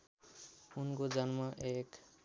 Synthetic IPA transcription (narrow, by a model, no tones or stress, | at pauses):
unkod͡zʌnmʌʔek